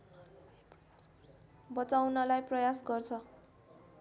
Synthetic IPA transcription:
bʌt͡sawnʌlajprʌjasɡʌrt͡sʰʌ

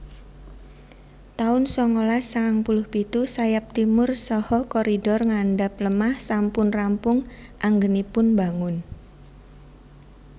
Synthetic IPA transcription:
t̪aʊnsɔŋolasaŋaŋpulʊhpit̪usajap̚t̪imʊrsɔhɔkɔɾidɔrŋanɖap̚ləmahsampʊnrampʊŋʔaŋɡənipʊnbaŋʊn

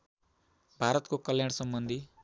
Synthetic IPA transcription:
bʱaɾʌt̪kokʌljaɽ̃sʌmbʌnd̪ʱi

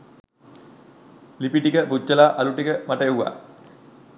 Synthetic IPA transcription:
lipiʈikəpud͡ʑːəlaːʔaluʈikəmaʈəeuʋa̰ː

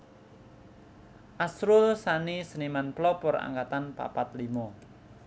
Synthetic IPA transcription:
ʔasɾʊlsanisənimanplɔpɔɾa̰ŋkat̪anpa̰pat̪limɔ

